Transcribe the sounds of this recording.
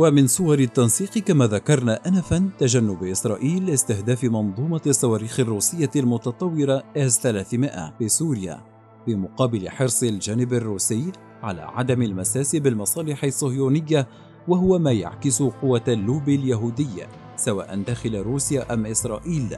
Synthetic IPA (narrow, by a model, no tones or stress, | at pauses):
wamɪnsˤʊwɑɾˤɪt̪ːɑnsiːqɨkamaːðakɑɾˤnaʔanafant̪aʒanːʊbʔɪsɾˤɑːʔiːlːɪst̪ɪhd̪aːfɪmɑnðˤuːmɑsˤːɑwaːɾiːxɪrˤːuːsɪjːalmʊt̪ɑt̪ˤɑwːɪɾaʔazθalaːθmɪʔa̰fiːsuːɾɪja̰ː | fimʊqɑːbɪlɪ̰ħɨɾsˤɪld͡ʒaːnɪbarˤːuːsɪjː | ʕa̰la̰ːʕa̰d̪amalmasaːsɪbɪlmɑsˤɑːlɪħɪsˤːʊhjuːnɪjːa | waɦʊwamaːja̰ʕkɪsʊqʊwːalːuːbɪljaɦuːd̪ɪjːa̰ | sawaːʔand̪aːxɪlaɾuːsjaːʔamʔɪsɾˤɑ̰ːʔiːl